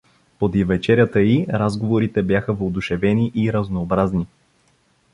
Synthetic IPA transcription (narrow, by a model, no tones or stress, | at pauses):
pod̪ivɛt͡ʃɛɾʲjət̪əiɾazɡovoɾit̪ɛbjaxəvod̪ʊʃɛvɛniʔiɾəznoːbɾazni